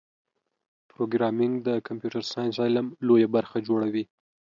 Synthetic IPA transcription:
pɾoɡɾɑmɪŋɡd̪əkʰampjuʈaɾsɑjnsɑjlamlojabaɾxad͡ʒoɽawi

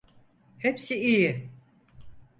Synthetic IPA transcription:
hepsiiji

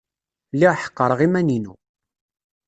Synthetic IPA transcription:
lːiʁħə̥qːəɾˤəʁimæninṵ

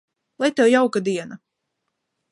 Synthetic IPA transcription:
lˠajt̪ɛwjawkad̪iɛna

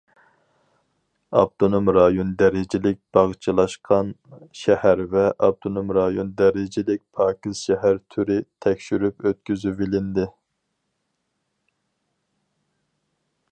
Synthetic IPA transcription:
ɑ̰p̚t̪ʰonomɾɑjond̪ɛɾɪd͡ʒɪlɪk̚ʲb̥ɑʁt͡ʃʰɨlˠɑʃqʰɑnʃɛhæɾvɛʔɑp̚t̪ʰonomɾɑjond̪ɛɾɪd͡ʒɪlɪk̚ʲpʰɑːkʲizʃɛɦæɾt̪ʰyɾɪt̪ʰɛkʲʃyɾypøt̪̚kʲyzybilɪnd̪ɪ

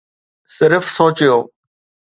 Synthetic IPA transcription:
sɪɾfsoːt͡ɕɪjoː

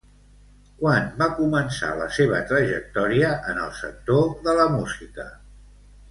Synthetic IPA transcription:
kwanbakumənsa̰ləseβ̞ət̪ɾəʒək̚t̪ɔɾiəʔənə̰lˠsə̰k̚t̪oðələmuzikə

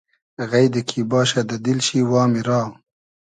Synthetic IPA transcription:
ɣajd̪əkʰibɑːʃad̪ad̪ilʃiwɑːmiɾɑː

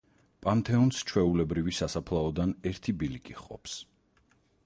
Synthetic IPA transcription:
pʼant̪ʰɛɔnst͡ʃʰwɛulɛbɾivisasapʰlˠaɔd̪anɛɾt̪ʰibilikʼiχqʼɔ̰pʰs

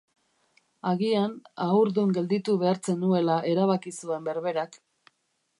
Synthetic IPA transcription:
aɣianauɾðuŋɡe̞ld̪it̪uβe̞aɾt͡se̞nue̞laʔe̞ɾaβakisue̞mbe̞ɾβe̞ɾak

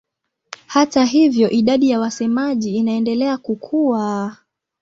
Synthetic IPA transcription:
hataɦivjɔʔiɗaɗijawasɛmaʄiːnaɛndɛlɛakukʰuwa

